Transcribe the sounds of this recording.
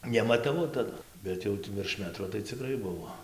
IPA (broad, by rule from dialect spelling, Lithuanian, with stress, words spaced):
nʲɛmɐtɐˈʋɐʊ tɐˈdʊ ˈbʲɛt jɛʊ ʋʲɪrʃ ˈmʲæːtroː tɐɪ t͡sʲɪˈkrɐɪ ˈbʊʋoː